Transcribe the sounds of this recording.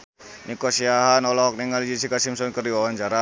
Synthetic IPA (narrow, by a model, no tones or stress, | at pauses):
nikɔsiaɦanɔlɔɦɔk̚niŋalid͡ʒisikasimsɔnkərdiwawaɲt͡ʃaɾa